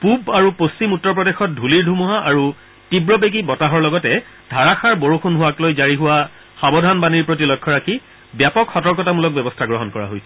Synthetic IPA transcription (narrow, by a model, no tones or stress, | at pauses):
pubaɹupost͡ʃimutːɔɹp̬ɹɔdexɔt̚dʱuliɹdʱumuɦaʔaɹu | tibɹɔbeɡibɔtaɦɔɹlɔɡɔtɛ | dʱaɹaxaɹboɹuxʰunɦʊwaklojzaɹiɦʊwa | xabɔdʱanbaniɹpɹot̬ilɔkʰːɔɹakʰi | bjapɔkʰxɔtɔɹk̬ɔtamulɔk̚bɛbɔstʰaɡɹɔɦɔnkɔɹa̰ɦojsɛ